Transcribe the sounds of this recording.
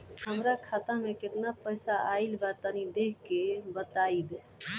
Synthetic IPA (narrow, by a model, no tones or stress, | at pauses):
həmɾakʰat̪ameket̪napəjsaaɪlbat̪ənid̪ekʰkebət̪aibe